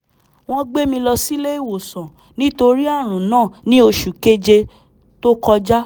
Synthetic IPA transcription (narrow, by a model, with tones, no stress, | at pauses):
w̃ɔ̃˦ɡ͡be˦mĩ˧lɔ˧si˦le˦i˦˨wo˨sɔ̃˨ | nĩ˦to˧ɾi˦a˦˨ɾ̃ũ˨nãː˦˨nĩ˦o˧ʃu˨ke˦d͡ʒe˧ | to˦kɔ˧d͡ʒa˦